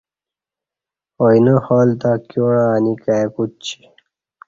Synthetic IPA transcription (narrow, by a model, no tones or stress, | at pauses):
ojnəhɔːlt̪akjoɽaːnikaekut̪̚t͡ɕʰi̥